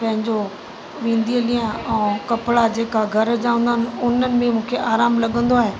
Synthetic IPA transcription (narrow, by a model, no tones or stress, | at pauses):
pɐ̃ɦɪ̃ɲd͡ʑo | ʋĩːnd̪iəlĩːə̃ɛ̃ːkɐpɭad͡ʑeːkaɡʱɐɾd͡ʑãːʋə̃nd̪aːnɪ̆ʊnənɪ̆mɪ̃mũːkʰeʔaːɾaːmlɐɠə̃nd̪oaːɦeː